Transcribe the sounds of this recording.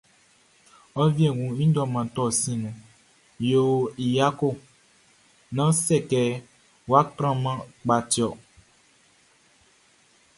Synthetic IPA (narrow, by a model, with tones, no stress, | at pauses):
ɔ˦vi˦e˨ŋũ˨ĩ˦dɔ˦mã˨t̪ɔ˦sĩ˨nũ˨ | jo˦i˨ja˦ko˦˨ | nã˦sɛ˦˨kɛ˨ | wa˦tɾ̃ã˦mã˦k͡pa˨ti˨ɔ˨